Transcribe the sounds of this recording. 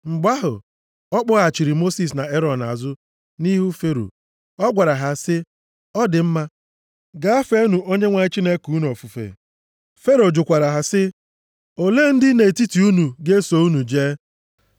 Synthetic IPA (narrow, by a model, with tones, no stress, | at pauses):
ŋ͡m̩˨ɡ͡ba˦ɦʊ̰˨ | ɔ˦k͡pʊ˦ɣa˨t͡ʃi˨ɾi˨mo˦si˦s̬na˨e˦ɾɔ˨na̰˨zʊ˦ | ni˦ɦu˦fe˦ɾo̰˨ | ɔ˦ɡʷa˨ɾa˨ɦa˨sɪ˦ | ɔ˦dɪ˨m̩˦ma˦ | ɡa˦a˦fe˦nu˨ʔo˦ɲe˦ŋʷa˦t͡ʃi˦ne˦ku˨˦nu˨ɔ˨fu˨fḛ˨ | fe˦ɾo˨d͡ʒʊ˨kʷa˨ɾa˨ɦa˨sɪ˦ | o˨le˦n̩˦dɪ˦ne˨ti˦ti˨u˦nu˨ɡe˦so˨˦u˦nu˨d͡ʒeː˦